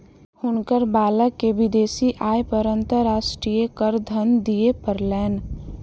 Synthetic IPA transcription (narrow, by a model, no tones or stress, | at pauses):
hʊnkəɾbaːləkːeʋɪd̪eːsiʔaːjpəɾə̃nt̪əɾaːʃʈɾijəkəɾd̪ʱənd̪ijepəɾlɛːn